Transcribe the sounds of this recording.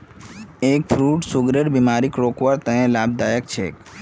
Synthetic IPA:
ekfʰɾuʈsuɡɾəɾbimaɾikɾokʋaɾt̪ə̃ẽlab̚d̪ajəkt͡ʃʰḛk

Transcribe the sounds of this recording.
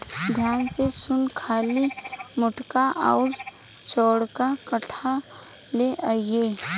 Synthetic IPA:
d̪ʱjaːnsesʊnkʰaːlimʊʈkaʔɔːɾ | t͡ʃɔːɽkakəʈʰa | leʔaieː

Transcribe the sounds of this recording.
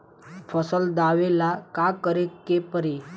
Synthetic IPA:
fəsəld̪aʋelakakəɾekːepəɾe

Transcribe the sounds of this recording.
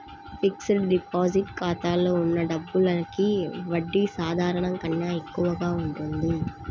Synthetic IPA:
piksɐɖipaːziʈkaːt̪aːloːunːɐɖɐbːulɐkiʋɐɖːisaːd̪ʱaːɾɐɳɐŋkɐnːaːekːuʋɐɡaːuɳʈund̪i

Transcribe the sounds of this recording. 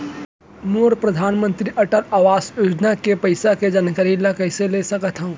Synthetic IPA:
moːɾpɾəd̪ʱaːnmə̃nt̪ɾiʔəʈəɾaːʋaːsjud͡ʒnakepəɪsaked͡ʒaːnkəɾilakəɪselesəkət̪ʰɦəũ

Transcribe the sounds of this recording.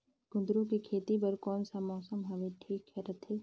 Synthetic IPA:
ɡ̥ʊ̃d̪ɾõkikʰeːt̪ipɐɾkɔːnsamɔːsəmɦaʋɪʈʰiːkɦɛɾɐt̪ʰeː

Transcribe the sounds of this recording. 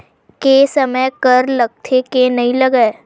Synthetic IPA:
kesɐməjkəɾlɐɡ̚t̪ʰekenɐɦĩlɐɡəe

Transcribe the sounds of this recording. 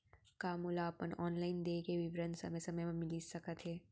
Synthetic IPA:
kaːmulaɐpənɔːnlaːɪnd̪eːkeʋɪʋɾənsɐ̰məjsɐməjm̃mɪliːsɐkət̪ɦɛː

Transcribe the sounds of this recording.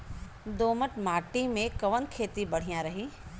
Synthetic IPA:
d̪oːməʈmaːʈimẽkɐʋənkʰeːt̪ibɐɽ̤ijãɾɐɦiː

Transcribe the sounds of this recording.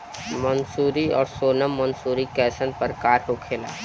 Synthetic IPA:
mənsuːɾiɔːɾsoːnəmːənsuːɾikɛːsənpəɾkaːɾɦoːkʰeːla̰ː

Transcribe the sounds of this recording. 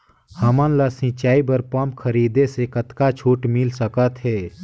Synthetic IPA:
hɐmənlasɪ̃t͡ʃaːibəɾpəmpkʰəɾiːd̪esekət̪kat͡ʃʰuːʈmɪlsəkət̪ɦɛː

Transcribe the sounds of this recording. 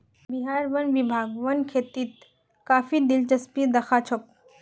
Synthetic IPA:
biɦaːɾʋənʋibʱaːɡʋɐnkʰeːt̪iːt̪ | kaːfid̪ɪlt͡ʃɐspid̪ɐxʰaːt͡ʃʰɔk̚

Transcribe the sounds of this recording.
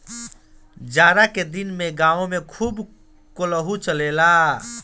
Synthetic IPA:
d͡ʒaɾaked̪inmeɡãõmekʰuːb | koləɦut͡ʃəlela

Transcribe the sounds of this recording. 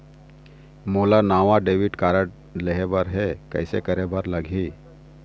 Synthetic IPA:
molanaʋaɖeʋiʈkaɾəʈ | leɦebəɾɦekə̰jsḛkəɾebəɾləɡʱi

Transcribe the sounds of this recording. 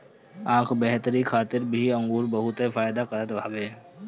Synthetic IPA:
ãːkʰbɛɦt̪əɾixʰaːt̪ɪɾbʱiɐ̃ŋɡuːɾbɐɦʊt̪efaːjd̪akɐɾət̪ʋʱaːbeː

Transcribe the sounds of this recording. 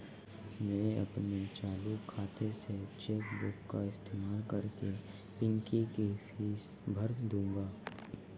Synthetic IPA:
mɛ̃ːɐ̰pnet͡ʃaːlukʰːaːt̪ʰeset͡ʃeːkbʊkːaɪst̪ʰeːmaːlkɐɾke | pɪ̃ŋkikefiːs | bʱɐɾd̪ũːŋɡaː

